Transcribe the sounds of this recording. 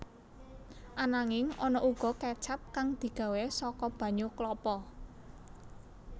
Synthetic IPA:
ʔanaŋɪŋɔnɔʔuɡ̥ɔ̤kɛt͡ʃap̚kaŋd̪̥i̤ɡ̥ä̤wesɔkɔb̥ä̤ɲoklɔpɔ

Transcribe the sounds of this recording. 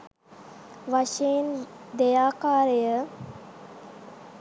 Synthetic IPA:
ʋaʃeːnd̪ejaːkaːɾəjə

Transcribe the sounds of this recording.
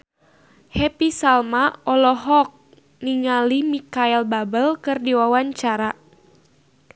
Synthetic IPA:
hɛpisalmaɔlɔɦɔk̚ | niŋalimikaɛlbabəlkɨrdiwawaɲt͡ʃaɾa

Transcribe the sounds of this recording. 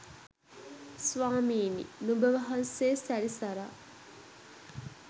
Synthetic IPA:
sʋaːmiːnḭnubəʋɐɦɐnseːsæɾisɐɾa

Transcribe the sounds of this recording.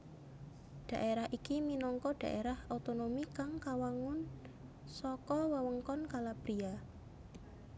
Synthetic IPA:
ɖ̥a̤ʔeɾahikiminɔŋkɔɖ̥a̤̰ʔeɾahot̪onomikaŋkawaŋʊn | sɔkɔwəwəŋkɔnkalab̥ɾia

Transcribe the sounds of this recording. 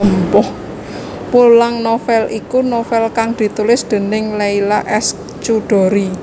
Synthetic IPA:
mpɔh | mulaŋnofɛlʔikunofɛlkaŋd̪̥i̤t̪ulɪsd̪̥ə̤nɪŋlailaʔɛs | t͡ʃuɖ̥ɔ̤ɾi

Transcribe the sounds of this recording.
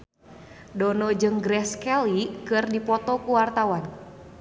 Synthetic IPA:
dɔnɔd͡ʒɨŋɡɾɛskɛlikɨrdipɔt̪ɔkuwart̪awan

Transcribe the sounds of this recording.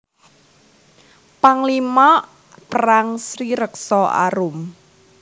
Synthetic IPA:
paŋlimɔ | pəɾaŋsɾiɾəksɔa̰ɾʊm

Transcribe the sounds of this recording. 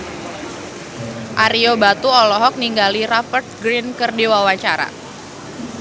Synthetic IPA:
ʔaɾiobat̪uɔlɔɦɔk̚niŋɡaliɾafərt̪̚ɡɾinkərdiwawat͡ʃaɾa̰

